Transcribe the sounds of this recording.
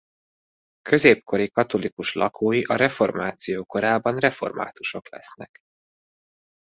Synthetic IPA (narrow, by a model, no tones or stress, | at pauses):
kø̞zeːp̚ko̞ɾikɒt̪o̞likuʃlɒkʰoːjiʔɒɾɛfo̞rmaːt̪sijoːko̞ɾaːbɒnrɛfo̞̰rma̰ːt̪uʃo̞klɛ̰snɛk